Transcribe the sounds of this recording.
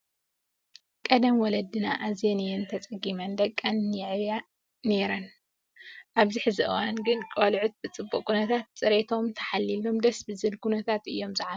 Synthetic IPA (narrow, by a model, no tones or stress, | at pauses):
kʼɐd̪ɐmwɔlɐd̪ːɨnaʔazjenɨjɛnt̪ʰɐt͡sʼɐɡimɐnd̪ɐkʼːɐnːɛʕβja | ne̞ɾɐn | ʔaβziħɨzɨʔɨwanɡɨnkʼolʕut̪̚bɨt͡sʼɨbːukʼkʰʼunɐt̪ʰat̪̚t͡sʼɨɾet̪ʰo̞mt̪ʰɐ̥ħalːilo̞md̪ɐsbɨzɨlkʰunɐt̪ʰat̪ʔɨjːo̞mzɨʕa